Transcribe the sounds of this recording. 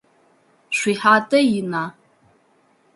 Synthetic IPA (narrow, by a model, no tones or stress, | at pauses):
ʃʷiħatʼɐjina